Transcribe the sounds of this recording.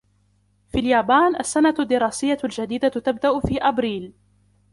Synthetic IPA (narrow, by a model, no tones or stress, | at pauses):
fiːljaːbaːnʔa̰sːanad̪ːɪɾˤɑːsɪjːald͡ʒad̪iːd̪at̪abd̪aʔʊfiːʔabɾiːl